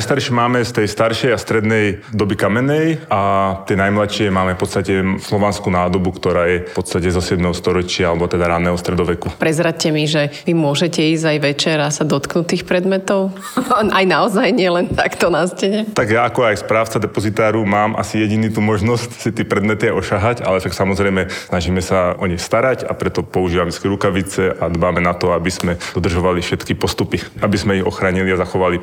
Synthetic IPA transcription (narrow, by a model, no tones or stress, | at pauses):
ajst̪aɾʃɛmaːmɛst̪ɛjst̪aɾʃɛjast̪ɾɛd̪nɛjd̪ɔbikamɛnɛjat̪ɛjnajmlaʃɪɛmaːmɛfpɔt̪st̪acɛfslɔʋanskunaːd̪ɔbukt̪ɔɾaːjɛpɔt̪st̪acɛzɔsɪɛd̪mɛɦɔst̪ɔɾɔt͡ʃɪaalɛbɔt̪ɛd̪aɾanɛːɦɔst̪ɾɛd̪ɔʋɛkupɾɛzɾacɛmiʒɛʋimʊɔʒɛcɛiːzajʋɛt͡ʃɛɾasad̪ɔt̪knut̪iːxpɾɛd̪mɛt̪ɔʊ | ʔajnaɔzajɲɪɛlɛnt̪akt̪ɔnascɛɲɛt̪aɡjaːkɔajspɾaːʊt͡sad̪ɛpɔzit̪aːɾumaːmʔa̰sijɛɟinit̪umɔʒnɔscsit̪iɛpɾɛd̪mɛt̪iajɔʃaɦaca̰lɛʃaksamɔzɾɛjmɛsnaʒiːmɛsaʔɔɲɛxst̪aɾaca̰pɾɛt̪ɔpɔuʒiːʋamɛskiɾukaʋit͡sɛʔad̪baːmɛnat̪ɔabiz̥mɛd̪ɔd̪r̩ʒɔʋalifʃɛt̪kipɔst̪upiabizmɛiɔxɾaːɲiliazaxɔʋali